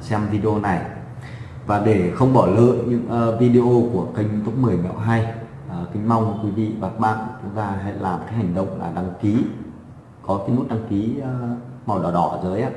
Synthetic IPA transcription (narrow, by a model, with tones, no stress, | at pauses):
sɛ˧mvi˧ɗe˧o˧na˨˩j | vaː˨˩ɗe˧˩xə˧wŋ͡mɓɔ˧˩lə̰ː˧˨jɲɨ̰˧˥ŋʔəː˧vi˧ɗe˧ʔo˧ku˧˩əkə˧jŋ̟t̪u˦˥k͡p̚mɨ˨˩əjmɛ̰˧˨wɦaː˧j | ʔəː˨˩kï˨˦ŋ̟ma˧wŋ͡mkwi˨˦vḭ˧˨vaː˨˩t̚ɓa̰ː˧˨ŋt͡ɕʊ˨˦ŋ͡mt̪aː˧ɦa̰˧˨jlaː˨˩mk̪aː˨˦hɦa˨˩jŋ̟ɗə̰˧˨wŋ͡mla̰ː˨˩ɗa˧ŋki˨˦ | kɔ˨˦ka˨˦jnu˦˥t̚ɗa˧ŋkiː˨˦˨m˨˩wɗɔ˨˩ɗɔ˧˩zəː˨˦jʔaː˧˦